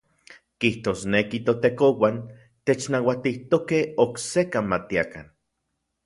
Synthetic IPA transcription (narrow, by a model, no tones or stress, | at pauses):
kiht̪oːsnekit̪ot̪ekowan | t̪et͡ʃnawat̪iht̪okehoksekamat̪iaka̰n